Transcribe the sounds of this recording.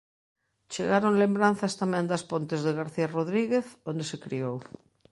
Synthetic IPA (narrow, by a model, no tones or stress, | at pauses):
t͡ʃeɣaɾoŋlembɾan̟θɐst̪amɛ̃nd̪ɐspont̪ɪzðeɣaɾθiaroðɾiɣeθond̪esekɾiow